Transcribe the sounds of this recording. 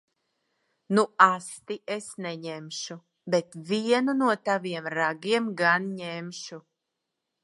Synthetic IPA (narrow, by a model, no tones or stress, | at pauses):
nuast̪iesnɛɲemʃu | bet̪vʲiɛnunuɔt̪aviɛmɾaɡiɛmɡanɲemʃu